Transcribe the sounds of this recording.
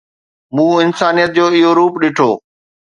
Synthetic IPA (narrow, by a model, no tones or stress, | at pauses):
mũːɪnsaːnijət̪̚d͡ʑoːɪɦoɾuːpɗɪʈʰo̰ː